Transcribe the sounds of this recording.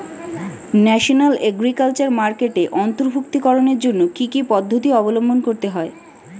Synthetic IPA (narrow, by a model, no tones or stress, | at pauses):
nɛʃonaleɡɾikalt͡ɕaɾmaɾkeʈeʔɔnt̪oɾbʱukt̪ikɔɾoneɾd͡ʑonːokikipɔd̪ʱːot̪iɔbolombʱonkoɾt̪eɦɔe